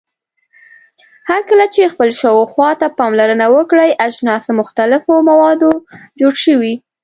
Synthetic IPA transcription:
haɾkəlat͡ʃexpəlʃəwoxwɑt̪apɑmlaɾənawəkɽəjʔaʒnɑsmʊxt̪alɪfomawɑd̪od͡ʒoɽʃəwi

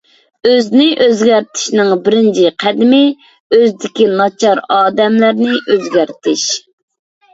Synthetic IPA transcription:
øznɪʔøzɡʲæɾt̪ʰɪ̥ʃnɪŋbɪɾɪnt͡ʃʰiqʰæd̪ɪmɪ | øzd̪ɪkʲinɑt͡ʃʰɑɾɑːd̪ɛmlæɾnɪʔøzɡʲæɾt̪ʰɪʃ

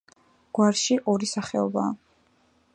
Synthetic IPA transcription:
ɡ̥waɾʃiʔɔɾisaχɛɔba̰ː

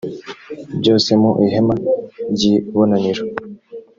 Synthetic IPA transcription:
bɟoːsemoʔiɦemaɟiβonaniɾo

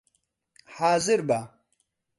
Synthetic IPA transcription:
haːzɪɾba

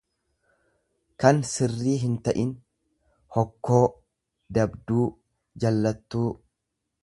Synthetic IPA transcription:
kɐnsɪrːiːɦɪnt̪ɐʔɪn | hɔkːo̞ː | d̪ɐbd̪uː | d͡ʒɐlːɐt̪ːuː

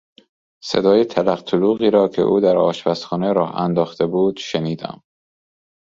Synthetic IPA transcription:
se̞̰d̪ɒːjet̪ʰælæqt̪ʰoluːɣiːɾɒːcʰe̞̰ʔuːd̪æɾɒːʃbæsxɒːneɾɒːhæ̰nd̪ɒːxt̪ʰe̞buːd̪̥ʃeniːd̪æ̰m

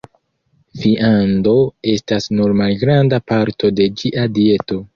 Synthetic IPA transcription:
fiʔando̞e̞stasnuɾmalɡɾandapaɾto̞de̞d͡ʒiʔadie̞to̞

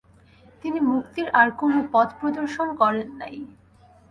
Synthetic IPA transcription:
t̪inimukt̪iɾʔaɾkonopɔd̪pɾod̪oɾʃonkɔɾenːa̰j

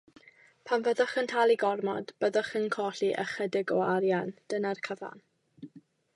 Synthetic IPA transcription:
pʰamvəðɔχəntʰalˠiɡɔrmɔ̰d̥b̥əðɔχənkʰɔɬiʔə̰χədɪɡɔaɾjand̥ənarkʰəva̰n

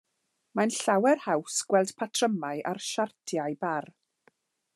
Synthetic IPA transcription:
manɬawɛrhawsɡ̥wɛlˠd̥pʰatʰrəmaɨʔarʃartʰjajbar

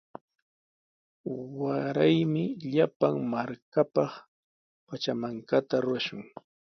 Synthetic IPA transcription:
waɾajmɪʎapaŋmaɾkapɑχ | pat͡ʃamaŋkat̪aɾʊɾaʃʊŋ

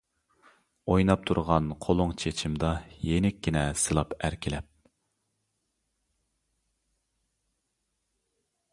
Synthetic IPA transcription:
ojnɑp̚t̪ʰuɾʁɑnqʰolˠʊŋt͡ʃʰet͡ʃʰimd̪ɑjenɪkʲːinɛsɨlˠɑpæɾkʲʰɪlɛp̚

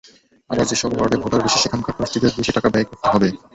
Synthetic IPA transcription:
a̰baɾd͡ʑeʃɔbbʱɔɾɖebʱoʈaɾbiʃiʃekʰamkʰapɾasʈid̪et̪̚beʃiʈakabɛjkoɾt̪eɦɔbe

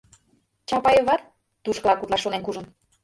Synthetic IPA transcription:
t͡ɕɑpɑjəβɑt̪ | t̪uʃkəlɑkut̪lɑʃːonenkuʒə̆n

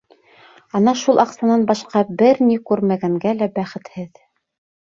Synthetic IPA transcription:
ɑnɑʃulˠʔɑqsɑnɑnbɑʃqɑbɘɾnikʉɾmæɡæŋɡælæbæχɘ̆t̪hɘð

